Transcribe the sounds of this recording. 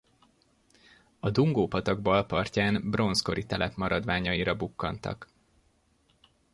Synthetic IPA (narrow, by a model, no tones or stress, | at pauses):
ɒd̪uŋɡoːpɒt̪ɒɡbɒlpɒrcaːnbro̞nsko̞ɾit̪ɛlʔɛpmɒɾɒd̪ʋaːɲɒjiɾɒbukːɒ̰nt̪ɒ̰k